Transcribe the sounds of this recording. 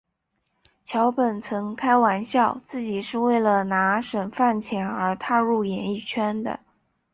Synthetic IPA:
t͡ɕʰjɑ˧˥ʊpə˨˩nt͡sʰɤ˧˥ŋkʰa˥ɪwa˧˥nɕjɑ˥˩˧ʊt͡sɹ̩˥˩t͡ɕi˨˩ʂɻ̩˥˧we˥˩ɪlə˩na˧˥ʂə˨˩nfa˥˩nt͡ɕʰjɛ˧˥nə˞˧˥t̪ʰa˥˧ɻu˥˩jɛ˧˥ni˥˩t͡ɕʰɥɛ˥nd̪ə̰˨˩

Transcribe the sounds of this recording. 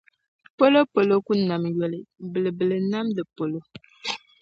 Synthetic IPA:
po˦lo˦po˨lo˦ku˦na˨mjɛ˨lɨ˨bɨ˨lɨ˨bɨ˨lɨ˨na˦mdɨ˨po˨lo˦

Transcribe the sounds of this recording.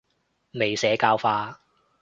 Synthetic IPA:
me˨jsɛː˨˥kaː˧wfaː˧

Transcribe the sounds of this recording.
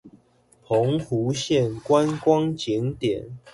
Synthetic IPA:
pʰo˨˦ŋhu˨˦ɕjɛ˥˨nkwa˦nkwɑ˦ŋt͡ɕi˨˦ŋt̪jɛ˨˩˦n

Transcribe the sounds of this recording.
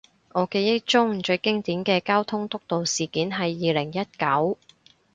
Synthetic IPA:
ŋɔː˨˧keː˧jɪ˥t͡ʃʊ˥ŋ̩˨˩t͡ʃɵ˧ɥkɪ˥ŋt̪iː˨˥nkɛː˧kaː˥wt̪ʰʊ˥ŋt̪ʊ˥k̚t̪o˨wsiː˨˩kiː˨˥nɦɐ˨jːiː˨˧lɪ˨˩ŋjɐ˥t̚kɐ˨˥w

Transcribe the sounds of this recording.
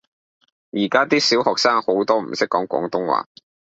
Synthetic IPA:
jiː˨˩kaː˥t̪iː˥siː˨˥whɔː˨k̚saː˥ŋho˨˥wt̪ɔː˥m̩˨˩sɪ˥kːɔː˨˥ŋkʷɔ̰ː˨˥ŋt̪ʊ˥ŋwa̰ː˨˥

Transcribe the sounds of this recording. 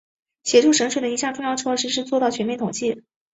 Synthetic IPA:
ɕjɛ˧˥ʈ͡ʂʰu˥˩ʂɤ˧˥ŋʂwe˨˩d̪ə˩i˧˥ɕjɑ˥˧ŋʈ͡ʂʊ˥˧ŋjɑ˥˩ʊʈ͡ʂʰɤ˥˧ʂɻ̩˥˧ʂ̬ɻ̩˥˧t͡swɔ˥˧t̪ɑ˥˩t͡ɕʰɥɛ˧˥nmjɛ˥˩nt̪ʰʊ˨˩ŋt͡ɕi˥˩

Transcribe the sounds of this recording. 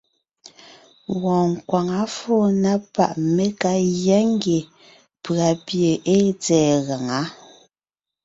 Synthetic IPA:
wɔ̃ː˨ŋ̩˨kwa˨ŋa˨˦fo˦na˦pa̰˨ʔme˦ka˦ɣja˦ŋ˦ɡe˨ | pɰa˨pje˨ʔe˦t͡sɛː˨ɣa˨ŋa˦

